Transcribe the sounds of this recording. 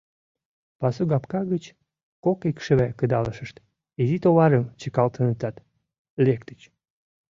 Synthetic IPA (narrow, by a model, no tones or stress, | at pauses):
pɑsuɡɑpkɑɣət͡ɕ | kokekʃə̆βækəd̪ɑləʃəʃt̪ | izit̪oβɑɾəmt͡ɕəkɑlt̪ənət̪ɑt̪ | lekt̪ət͡ɕ